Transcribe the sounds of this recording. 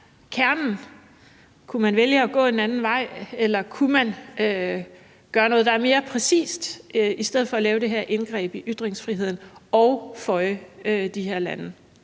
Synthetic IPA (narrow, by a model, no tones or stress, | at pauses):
kʰæɐnn̩ | kʰumænʋeljəɒ̽ɡ̥ɔ̰̽ːe̝nænn̩ʋɑ̈ɪ̰elɐkʰumænø | ɡ̥ɶːɐnɔ̽ːðˠd̥ɑæɐme̝ːɐpʰʁɛsḭːsd̥isd̥eð̞̰̩ˠfɒ̽ælɛːʊɾ̥e̝ɦeɐʔe̝nɡ̥ʁɛ̰ːb̥iʔyd̥ʁeŋsfʁiɦe̝ð̞̰ˠn̩ɒʊfɒ̽ɪəød̥iɦeɐ̰lænə